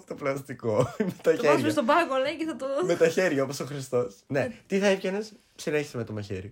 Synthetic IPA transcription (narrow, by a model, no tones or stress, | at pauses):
t̪oplɐst̪iko̞met̪ɐeɐst̪obɐɣoleceθɐt̪ome̞t̪ɐçeɾʝɐoposoxɾist̪o̞snet̪iθɐefʝɐnes | psileçi̥semet̪omɐçḛɾi